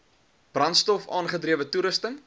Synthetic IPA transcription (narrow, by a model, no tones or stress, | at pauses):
b̥rɐnstɔfɑ̰ːnχədriəvətuɾəstən